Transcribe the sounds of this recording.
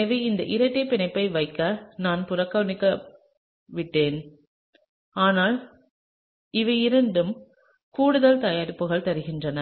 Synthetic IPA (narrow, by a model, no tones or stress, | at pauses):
ʋɐɪɪnd̪ɐʔɪɾɐʈːɐpːɪɳɐɪpːɐɪʋɐɪkːɐnaːnpʊɾɐkːɐnɪkːɐ | ʋɪʈːeːn | aːnaːl | ɪʋɐɪɪɾɐɳɖɯm | kuːɽɯðɐlt̪ɐjaːɾɪpːɯɣɐɭt̪ɐɾɯɣɪndrɐnɐ